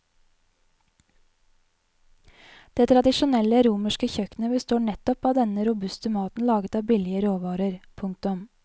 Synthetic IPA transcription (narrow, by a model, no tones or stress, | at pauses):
d̪̥eːt̪ʰɾɑd̪ɪʃʊnɛləɾuːməʃkəçœknəbəst̪oːɳɛt̪ɔpɑːd̪ɛnəɾʊbʉst̪əmɑːt̪n̩lɑːɡət̪ɑːbɪlɪəɾoːʋɑːɾəɾpʰʉŋk̚t̪ʊm